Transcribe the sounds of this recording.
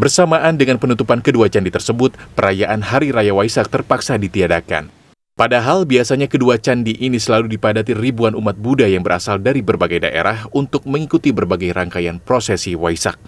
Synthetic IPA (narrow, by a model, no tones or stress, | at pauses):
bərsamaʔandəŋanpənut̪upankəduat͡ʃandit̪ərsəbʊt̪̚pəɾajaʔanɦaɾiɾajawaisak̚t̪ərpaksadit̪iadaka̰n | padaɦalbiasaɲakəduat͡ʃandiʔinisəlaludipadat̪iribuanumat̪̚budajaŋbəɾʔa̰saldaɾibərbaɡajda̰ʔḛɾahunt̪ʊk̚məŋikut̪ibərbaɡajɾaŋkajanpɾosɛsiwaisa̰k̚